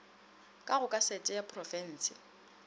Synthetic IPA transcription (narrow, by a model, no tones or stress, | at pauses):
kʼaɣʊkʼasɛtʼɛjapʰʼrɔfɛn̩ːsɪ